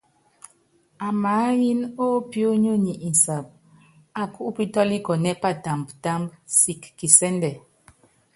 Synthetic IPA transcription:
a˨maː˨˦ji˦no˦pjo˦ɲo˦ɲi˨ʔi˨n˨sa˨p̚ | a˨ku˦ʔpi˦tɔ˦li˦kɔ˨nɛ˦pa˦˨ta˨mbta˦mbsi˨kːi˨sɛ˦ndɛ˨

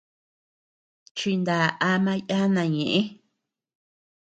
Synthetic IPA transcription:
t͡ʃi˧nd̪a˨ʔa˧mã˧ja˦nã˧˨ɲẽ˨ʔẽ˦

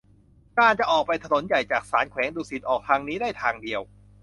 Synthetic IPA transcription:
kaː˧nt͡ɕa˨ʔɔː˨˩k̚pa˧jt̪ʰa˧no˨˩˦nja˨˩jt͡ɕaː˨˩k̚saː˩˦nkʰwɛː˩˦ŋduː˧si˨˩t̪ʔɔː˨˩k̚t̪ʰaː˧ŋniː˦˥daː˥˩jt̪ʰaː˧ŋdi˧əw

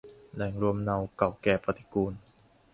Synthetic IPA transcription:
nɛ˨˩˦ŋɾu˧əmna˧wka˨˩wkɛː˨˩pɾa˧t̪i̥˧˦kuː˧n

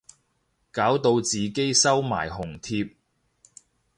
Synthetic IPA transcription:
kaː˨˥wt̪o˧wt͡siː˨ke˥jsɐ˥wma̰ː˨˩jhʊ˨˩ŋt̪ʰiː˧p̚

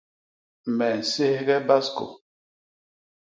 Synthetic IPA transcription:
mɛ˨n̩˨se˦hɡɛ˦ba˦sko̰˨

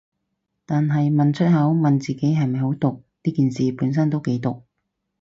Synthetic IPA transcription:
t̪aː˨nɦɐ˨jmɐ˨nt͡ʃʰɵ˥t̚hɐ˨˥wmɐ˨nt͡siː˨ke˨˥jɦɐ˨jmɐ˨jɦo˨˥wt̪ʊ˨k̚niː˥kiː˨nsiː˨puː˨˥nsɐ˥nt̪o˥wke˨˥jt̪ʊ˨k̚

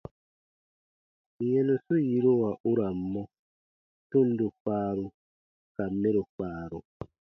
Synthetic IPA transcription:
jɛ˦nu˨su˦ji˦ɾo˦˨a˨ʔu˦ɾa˨mːɔ˦ | tu˦n˦du˨k͡paː˦ɾu˨ | ka˨mːe˦ɾu˨k͡paː˨˦˨ɾṵ˨

